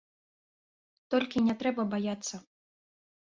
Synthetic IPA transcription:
t̪ɔlʲkʲinʲɛt̪ɾɛbɐbajat̪sːɐ

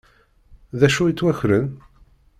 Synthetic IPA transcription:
ðæʃujit͡sːwæçɾən

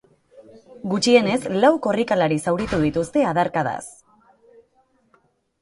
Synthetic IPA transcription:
ɡut͡ʃie̞ne̞zlawko̞rikalaɾisawɾit̪uð̞it̪ust̪e̞aðaɾkaða̰s

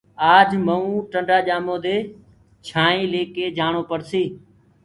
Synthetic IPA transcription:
aːd͡ʒməũːʈəɳɖaːʄaːmõːd̪eː | t͡ʃʰaːĩːleːkeːd͡ʒaːɳoːpəɽsiː

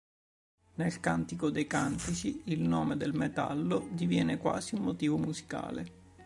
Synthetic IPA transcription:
nelkant̪ikod̪ejkant̪it͡ʃiilnɔːmed̪elmet̪a̰lːod̪ivjɛːnekwa̰ːziumːot̪iːvomuzi̥ka̰ːlḛ

